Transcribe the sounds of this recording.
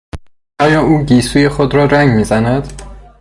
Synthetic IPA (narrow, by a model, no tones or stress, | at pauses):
ʔɒːjɒːʔuːɟiːsuːje̞xod̪ɾɒːɾæŋɡmiːzænæd̪̥